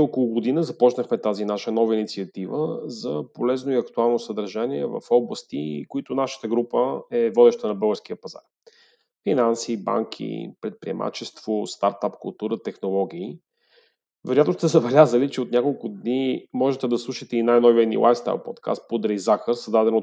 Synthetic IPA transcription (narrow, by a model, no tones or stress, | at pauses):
okolˠʊɡod̪inəzɐpɔt͡ʃnəxmɛt̪azinaʃənɔvəinit̪siɐt̪ivəzɐpolɛznoiɐkt̪ualˠnosəd̪ɐɾʒaniɛvə̰fɔblˠəst̪ikoit̪ʊnaʃə̥t̪əɡɾupəɛvɔd̪ɛʃt̪ənɐbɤlˠɡəɾsk̟iəpɐza̰ɾ | finansiba̰ŋkʰḭpɾɛt̪̚pɾḭɛ̰mʔa̰t͡ʃɛst̪vost̪aɾt̪apkʊ̰lˠt̪uɾət̪ɛxnolˠɔɡ̟ʲiː | vɛɾoʊjat̪nost̪ɛzɐbɛlʲazəlit͡ʃɛot̪nʲakolˠkʊd̪nimɔʒɛt̪ɛd̪ɐslˠuʃət̪ɛinajnɔvivɛd̪nḭlˠʔa̰jfst̪a̰lˠpɔ̰t̪kʰa̰st̪̚pod̪ɾɛjzaxəɾsɐd̪ad̪ɛno